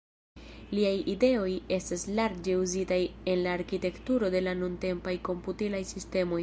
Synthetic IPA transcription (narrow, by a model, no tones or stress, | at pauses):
liajide̞o̞je̞staslaɾd͡ʒe̞uzitaje̞nlaːɾkite̞ktuɾo̞de̞lanunte̞mpajko̞mputilajsiste̞mo̞j